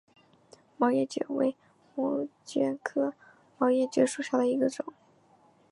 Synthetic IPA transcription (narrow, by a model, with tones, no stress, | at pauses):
mɑ˧˥jɛ˥˩t͡ɕɥɔ̰˨˩˥we˧˥ɪ | mɔ˧˥t͡ɕɥɛ˥nkʰɤ˥ | mɑ˧˥jɛ˥˩t͡ɕɥɛ˧˥ʂu˨˩ɕja˥˩d̪ə˩i˧˥ɡə˧ʈ͡ʂʊ˨˩˦ŋ